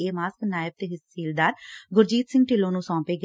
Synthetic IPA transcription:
eːmaːsknaːɪb̚t̪eːɦɪsiːld̪aːɾɡʊɾd͡ʒiːt̪sɪ̃ŋɡ̚ʈɪlõːnũːsɔ̃ːpeːɡə

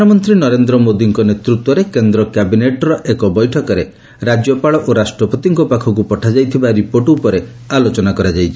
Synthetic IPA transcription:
nɔmɔnt̪ɾinɔɾend̪ɾɔmod̪iŋkɔnet̪ɾut̪wɔɾekend̪ɾɔkjabineʈɾɔʔekɔbɔjʈʰɔkɔɾe | ɾad͡ʒjɔpaɭɔʔoɾasʈɾɔpɔt̪iŋkɔpakʰɔk̬upɔʈʰad͡ʒajt̪ʰibaɾipoʈupɔɾealot͡ʃɔnakɔɾad͡ʒajt͡ʃʰi

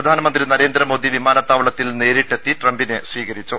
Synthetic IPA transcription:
ɐd̪ʱaːnɐmɐnd̪rinɐɾe̞ːnd̪ɾɐmo̞ːd̪iʋimaːnɐt̪ːaːʋɐɭɐt̪ːilne̞ːɾiʈːet̪ːiʈrɐmbinesʋiːɣɐɾit͡ɕːu

